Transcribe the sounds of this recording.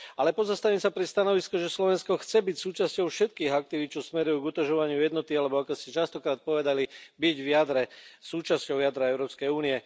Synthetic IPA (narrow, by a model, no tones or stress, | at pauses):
alɛpɔzast̪aʋiːmsapɾɛst̪anɔʋiskɔʒɛslɔʋɛnskɔxt͡sɛbicsuːt͡ʃascɔʊfʃɛt̪̚kiːɣak̚t̪iʋit̪̚t͡ʃɔsmɛɾujuɡut̪ɔʒɔʋaɲɪujɛd̪nɔt̪ialɛbɔakɔscɛt͡ʃast̪ɔkɾaːt̪̚pɔʋɛd̪alibiɟʋɪjad̪ɾɛsuːt͡ʃascɔʊjad̪ɾaɛʊɾɔːpskɛjuːniɛ